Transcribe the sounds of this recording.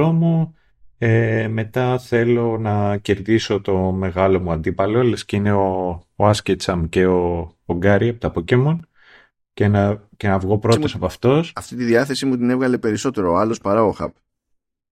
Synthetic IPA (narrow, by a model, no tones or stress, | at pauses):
omu | eme̞t̪ɐθe̞lo̞nɐce̞ɾðiso̞t̪o̞me̞ɣɐlo̞muɐnd̪ipɐlo̞elesceine̞oːɐscet͡sɐmce̞oːŋɡɐɾiɐpot̪ɐpocemon | cenɐce̞nɐvɣo̞pɾoosɐpɐft̪o̞sɐft̪it̪iðiɐθe̞simut̪ine̞vɣɐle̞pe̞ɾiso̞t̪e̞ɾoɐlo̞spɐɾɐoxɐ̰p